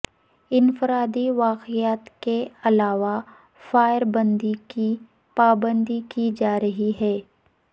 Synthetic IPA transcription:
ɪnfɪɾaːd̪iʋaːqijaːt̪keɐlaːʋa | faːjɪɾbə̃nd̪iki | paːbə̃nd̪ikid͡ʒaːɾɐɦiɦɛː

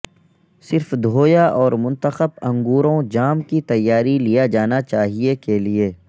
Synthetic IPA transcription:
sɪɾfd̪ʱoːjaʔɔːɾmʊ̃nt̪əxəbɐ̃ŋɡuːɾõd͡ʒaːmkit̪ɐjːaːɾilijad͡ʒaːnat͡ʃaːɦiekelieː

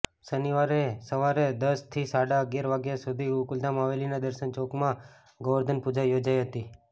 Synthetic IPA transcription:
səniʋaɾesəʋaɾed̪əst̪ʰisaɽaəɡjaɾʋaɡjasud̪ʱiukuld̪amaʋelinad̪əɾʃənt͡ʃokmã | ɡəʋəɾd̪ʱənpud͡ʒajod͡ʒaiɦət̪i

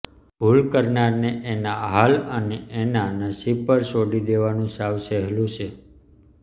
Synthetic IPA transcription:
bʱulkəɾnaɾneʔenaɦaləneʔenanasipəɾsoɖid̪eʋanũsaʋsəɦɛlũt͡ʃʰe

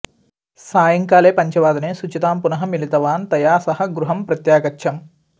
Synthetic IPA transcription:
saːjɐŋkaːleːpɐɲt͡ʃɐʋaːd̪ɐneːsut͡ʃit̪aːmpunɐɦɐmilit̪ɐʋaːnt̪ɐjaːsɐɦɐɡɾuɦɐmpɾɐt̪jaːkɐt͡ʃːʃʰɐm

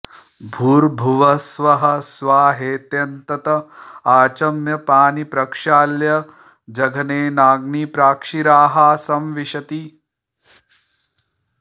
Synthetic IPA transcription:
bʱuːɾbʱuʋɐsʋɐɦɐ̆sʋaːɦeːt̪jɐnt̪ɐt̪ɐaːt͡ʃɐmjɐpaːnipɾɐkʂaːljɐ | d͡ʒɐɡʱɐneːnaːɡnipɾaːkʂiɾaːɦaːsɐmʋiʃɐt̪i

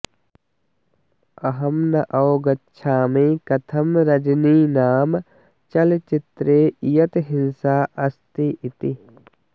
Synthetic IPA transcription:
ɐɦɐmnɐʔɐwɡɐtːʃʰaːmiːkɐt̪ʰɐmɾɐd͡ʒniːnaːm | t͡ʃɐlt͡ʃɪt̪ɾeːijɐt̪ɦɪnsaːʔɐst̪iʔit̪i

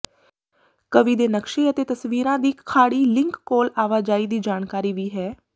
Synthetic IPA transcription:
kəʋiːd̪eːnəkʃeːət̪eːt̪əsʋiːɾãːd̪iːkʰːaːɽiːlɪ̃ŋkːoːlaːʋaːd͡ʒaːiːd̪iːd͡ʒaːnkaːɾiːʋiːɦɛː

